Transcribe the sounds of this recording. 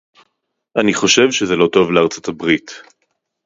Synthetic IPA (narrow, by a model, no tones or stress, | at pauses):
ʔaniχo̞ʃe̞vʃezelo̞to̞vleaʁt͡sotabʁit